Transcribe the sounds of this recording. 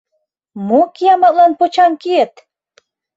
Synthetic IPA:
mokijɑmɑk̪lɑnpot͡ɕɑnkiet̪

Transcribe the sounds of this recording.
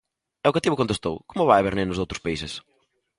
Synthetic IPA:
ɛʊkɐt̪iβʊkõnt̪e̥st̪o̰wkomʊβajɐβeɾnenʊzowt̪ɾʊ̥spɐisɪs

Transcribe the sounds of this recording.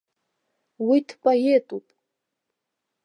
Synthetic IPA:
witʰpʼajetʼupʼ

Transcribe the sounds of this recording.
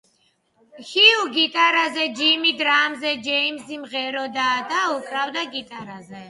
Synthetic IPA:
hiuɡit̪ʼaɾazɛd͡ʒimid̪ɾaːmzɛd͡ʒɛimzimʁɛɾɔd̪aːd̪aukʼɾavd̪aɡit̪ʼaɾazɛ

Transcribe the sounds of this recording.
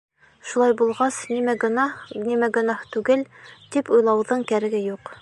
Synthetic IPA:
ʃulˠɑjbulˠʁɑsnimæɡɘ̆nɑnimæɡɵ̆nɑht̪ʉɡɘlt̪ipujlˠɑwðɤɴkæɾɘ̆ɡɘjuq

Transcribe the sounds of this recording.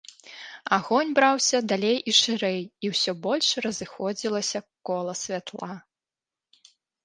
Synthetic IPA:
aɣɔnʲbɾawsʲɐd̪alʲejʔiʂɨɾɛjiwsʲɔbɔlʲʂrɐzɨxɔd͡zʲilˠɐsʲɐkɔlˠɐsʲvʲat̪lˠa

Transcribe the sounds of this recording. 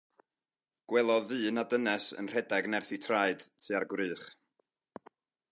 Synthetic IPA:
ɡ̥wɛlˠɔðɨːnadənɛsə̰nr̥ɛdɛɡnɛrθitʰraɨd̥tʰɨːarɡwɾɨːχ

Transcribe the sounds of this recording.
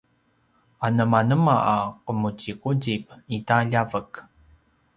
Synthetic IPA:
anəmanəmaʔaqəmut͡ɕikuɟip̚itaʎavək

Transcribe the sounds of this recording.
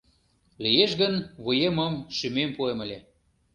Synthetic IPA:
lijeʃɣənβujeməmʃymempueməlʲe

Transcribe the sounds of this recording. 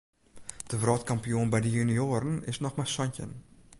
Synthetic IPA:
d̥əvrɑːtkɑmpionbɛjdəjynioːɾənɪ̰snɔχmarsɔɲcə̰n

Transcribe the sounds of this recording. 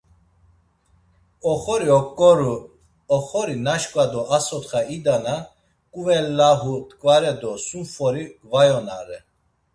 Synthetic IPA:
ɔχɔɾiɔkʼɔɾu | ɔχɔɾinaʃkʼvad̪ɔʔasɔt̪χaid̪ana | kʼuvɛlːaɦut̪ʼkʼvaɾɛd̪ɔsunfɔɾivajɔnaɾɛ

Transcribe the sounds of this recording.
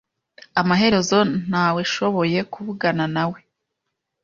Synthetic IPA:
amaɦe̞ɾe̞zo̞n̥aːwe̞ʃo̞βo̞je̞kuβuɡananawe̞

